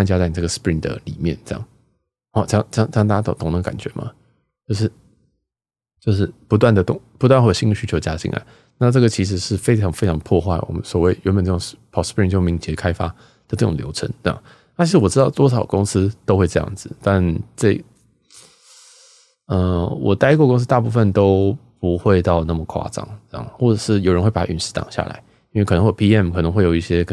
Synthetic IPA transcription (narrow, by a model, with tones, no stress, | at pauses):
a˥˧nt͡ɕja˥t͡sa˥˩ɪ˨˩nə˥˩ə˩spɹi˧˥nd̪ə̰˨˩lḭ˨˩mjɛ̰˥˨nʈ͡ʂə˥˧jɑ̰˨˩ŋ | ɔ˥˧˩jɑ˥˧ŋ˥jɑ˥˧t̪ɑ˥˧ŋt̪a˥˩t͡ɕa˥t̪t̪ʰʊ˨˥ŋnd̪ə˧˥ka̰˨˩nt͡ɕɥɛ̰˧˦mʔɐ̰˨ | t͡ɕjo˥˧ʊʂ̬ɻ̩˥˩ | t͡ɕjo˥˧ʊʂ̬ɻ̩˥˩pu˧˥t̪wa˥˩nd̪ə˩t̪ʊ̰˨˩ŋpu˧t̪wa˥˧nxwɕi˥ndə˨˩ɕy˥t͡ɕʰo˧˥˧t͡ɕja̰˥t͡ɕḭ˥ŋa̰˧˩˦ | na˥˧ʈ͡ʂɤ˥˩ɡə˩t͡ɕʰi˧˥ʂ̬ɻ̩˧˥ʂɻ̩˥˩fe˥ɪʈ͡ʂʰɑ˧˥ŋfe˥ɪʈ͡ʂʰɑ˧˥ŋpʰwɔ˥˧xwa˥˩ɪwɔ̰˨˩mə˦nswɔ˨˩we˥˩ɪɥɛ˧˥nmpə˨˩nʈ͡ʂə˥˩ʊ˨ŋpʰɑ˨˩spɹi˥˧nt͡ɕjo˥˩ʊmi˧˥ŋt͡ɕjɛ˧˥kʰa˥ɪfa˥ | d̪̥ə˧˦ʈ͡ʂɤ˥˩ʈ͡ʂʊ˨ŋljo˧˥ʊʈ͡ʂʰə̰˧˥nt̪j̰ | na˥˩t͡ɕʰi˧˥ʂɻ̩˧˥wɔ˨˩ʈ͡ʂɻ̩˥ɑ˥˩ʊt̪wɔ˥ʂɑ˨˩ʊkʊ˥ŋsɹ̩˥t̪o˥ʊxwe˥˧ɪʈ͡ʂɤ˥˧jɑ̰˥˩ŋd͡zɹ̩˨˩t̪a˥˧nʈ͡ʂə˥˧˩ | ə˧wɔ̰˨˩t̪a˥ɪkɔ˥˧kʊ˥ŋs̬̩˥t̪a˥˧pu˥˧fə˨nt̪o˥ʊpu˧˦˥xwe˥˧ɪt̪ɑ˥˧ʊna˥˩mə˩kʰwa̰˥˩ʈ͡ʂɑ̰˨˩˦ŋɤ˥˧jɑ̰˥˩ŋ˩xwɔ˥˩ʈ͡ʂɤə˨˩ʂɻ̩˥˩jo˨˩ɻə˧nxwe˥˩pa˨˩˥y̰˨˥nʂ̩˥˩t̪ɑ̰˨˩ŋɕja̰˥˩lʔa̰˧˦ɪ | i˥nwe˩kʰn˧ŋxwpʰi˥ɛ˥˩mkʰɤ˨˩˧ŋxwe˥˩ɪjo˨˩ʊ˦i˥˩ɕjɛ˥